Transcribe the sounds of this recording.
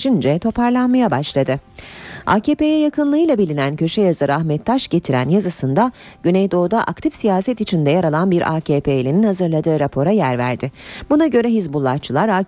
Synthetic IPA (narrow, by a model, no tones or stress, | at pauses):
ind͡ʒɛt̪ʰo̞pʰaɾlˠanmajabaʃlˠad̪ɯ | a̰ːceːpejɛjakʰɯnlˠɯɯjlˠabilʲinæncʰø̞ʃɛjazɯɾaxmɛt̪ʰːaʃɟe̞t̪ʰiɾæ̰njazɯsɯnd̪aɟ̥ynejd̪o̞ːd̪aʔa̰k̚t̪ʰifsijaːsɛt̪it͡ʃʰind̪ɛjaɾalˠanbiɾʔa̰ːcʰeːpʰelʲininhazɯɾlˠad̪ɯːɾapʰo̞ɾajæɾvæ̰ɾd̪ɪbunaɟø̞ɾɛɦizbulˠːat͡ʃʰɯlˠaɾaː